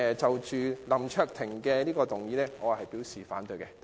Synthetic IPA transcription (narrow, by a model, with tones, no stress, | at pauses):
t͡sɐ˨wt͡ʃyː˨lɐ˨˩mt͡ʃʰœː˧k̚t̪ʰɪ˨˩ŋkɛː˧liː˥kɔː˧t̪ʊ˨ŋjiː˨˧nlɛː˥ŋɔː˨˧hɐ˨jpiː˨˥wsiː˨faː˨˥nt̪ɵ˨˧jkɛ˧